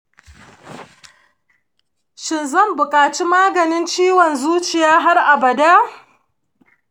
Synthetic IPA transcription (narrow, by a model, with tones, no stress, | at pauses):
ʃɪ˨nzɐ˦˨mbʊ˨kʼaː˨t͡ʃi˦maː˦ɡɐ˨nɪ˦nt͡ʃiː˦wɔ˨nzuː˦t͡ʃɪ˨jaː˦ɦa˦rʔa˨bɐ˨daː˦